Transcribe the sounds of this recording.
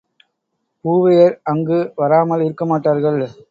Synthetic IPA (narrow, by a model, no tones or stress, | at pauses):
puːʋɐjɐɾɐŋɡɯʋɐɾaːmɐlɪɾɯkːɐmaːʈːaːɾɣɐɭ